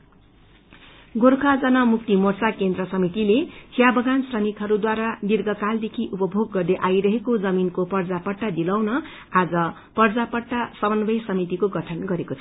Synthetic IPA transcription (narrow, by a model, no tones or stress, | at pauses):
ɡorkʰad͡zʌnʌmuk̚t̪imort͡sakend̪rʌsʌmit̪ilet͡sʰijabʌɡansrʌmikɦʌɾud̪waɾanirɡʌkald̪ekʰiʔupʌbʱoɡːʌrd̪eʔajɾʌɦekod͡zʌminkopʌrd͡zapʌʈːad̪ilawnʌ | ad͡zʌ | pʌrd͡zapʌʈːasʌbʌnbʌjsʌmit̪ikoɡʌʈʰʌnɡʌɾekot͡sʰ